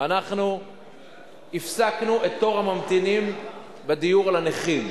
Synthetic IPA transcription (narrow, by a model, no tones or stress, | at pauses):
anaχnu | ifsaknuʔet̪ːo̞ʁhamamt̪inim | bedijuʁlaneχim